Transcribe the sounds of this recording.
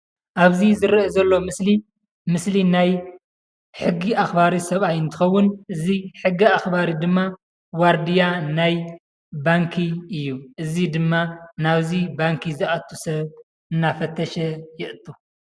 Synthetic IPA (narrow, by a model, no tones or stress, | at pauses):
ʔaβzizɨɾʔezɐlːo̞mɨsli | mɨslinaj | ħɨɡːiʔaxbaɾisɐβajɨnt̪ʰɨ̥xɐwːʊnʔɨziħɨɡːiaxbaɾid̪ɨmːa | waɾd̪ijanaj | baŋkʰiɨjːuʔɨzid̪ɨmːanaβzibaŋkʰizɨʔat̪ʰːusɐβ | ʔɨnːafɐt̪ʰːɐʃɛjɪʔɨt̪ʼːu